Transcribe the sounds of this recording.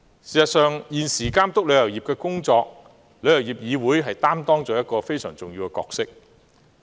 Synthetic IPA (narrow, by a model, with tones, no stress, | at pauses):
siː˨sɐ˨t̚sœː˨ŋjiː˨nsiː˨˩kaː˥mt̪ʊ˥k̚lɵ˨˧ɥjɐ˨˩wjiː˨p̚kɛː˧kʊ˥ŋt͡ʃɔː˧k̚ | lɵ˨˧ɥjɐ˨˩wjiː˨p̚jiː˨˧wuː˨˥jɦɐ˨jt̪aː˥mt̪ɔː˥ŋt͡ʃɔː˨˧jɐ˥t̚kɔː˧fe˥jsœː˨˩ŋt͡sʊ˨ŋji˧wkɛː˧kɔ̰ː˧k̚sɪ˥k̚